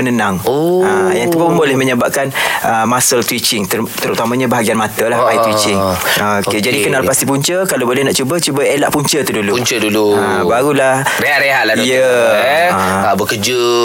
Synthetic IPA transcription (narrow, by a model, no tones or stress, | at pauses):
ənənaŋoajaŋt̪ukʊbolɛhməɲəbaʔ̚kanʔəmasəlt̪wit͡ʃɪŋt̪ət̪əɾut̪amãɲãbaɦaɡianmat̪əlahbajt̪wit͡ʃɪŋoked͡ʒadikənaʔpast̪ipuɲt͡ʃəkalawbolɛnaʔt͡ʃubət͡ʃubəelaʔpuɲt͡ʃət̪udulupuɲt͡ʃədulua | baɾulahɾeaʔɾeɦaʔlaijə | bəkəd͡ʒə